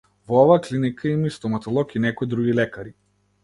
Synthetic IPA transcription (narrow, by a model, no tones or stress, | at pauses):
vɔɔvaːklinikʰaimist̪ɔmat̪ɔlˠɔkinɛkɔjd̪ɾuɡilɛkaɾi